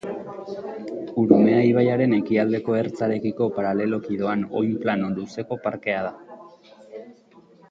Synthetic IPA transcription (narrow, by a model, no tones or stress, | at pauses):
uɾume̞ajβajaɾe̞ne̞kiald̪e̞ko̞e̞ɾt͡saɾe̞kiko̞paɾale̞lo̞kiðo̞ano̞̰jmplano̞nd̪use̞ko̞paɾke̞að̞a